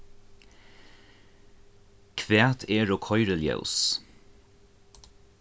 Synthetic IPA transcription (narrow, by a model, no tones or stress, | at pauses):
kʰvɛːt̪ʰeːɹɔkʰɔʏɾəljœ̰ʊs